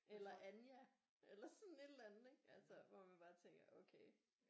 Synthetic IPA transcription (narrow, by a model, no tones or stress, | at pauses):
elɐʔænjæ | ʔelɐsɒ̽n̩e̝d̥lænð̩ˠeɡ̥ælsɐʋɒmænb̥ɑ̈ːt͡sʰeŋ̰ɡ̥ɐʔokʰeɪ